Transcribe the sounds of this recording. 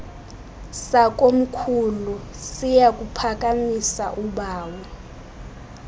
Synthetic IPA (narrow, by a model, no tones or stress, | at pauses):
sak̬ʼom̩kʰulusijakʼupʰak̬ʼamisa̰ʔuɓaːwɔ